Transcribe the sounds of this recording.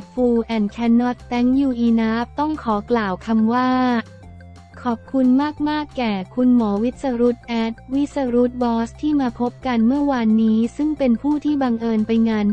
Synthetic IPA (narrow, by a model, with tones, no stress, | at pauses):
fuː˧ʔɛː˨˩nkʰɛ˦˧˥nːɔ˦˥t̪ːɛ˦˥ŋjuː˨˩ʔiː˧naː˦˥p̚t̪ɔ˥˩ŋkʰɔː˩˦klaː˨˩wkʰa˧mwaː˥˩ | kʰɔː˨˩p̚kʰu˧nmaː˥˩k̚maː˥˩kːɛː˨˩kʰu˧nmɔː˩˦wi˦˥t̪̚sa˧ɾu˦˥t̪̚ʔɛː˦˥t̪̚wi˦˥t̪̚sa˧ɾu˦˥t̪̚bɔː˦˥st̪ʰiː˥˩maː˧pʰo˦˥p̚ka˧nmɯ˥˩ɐwaː˧nːiː˦˥sɯ˥˩ŋpe˧npʰuː˥˩t̪ʰiː˥˩ba˧ŋʔɤː˧npa˧jŋaː˧n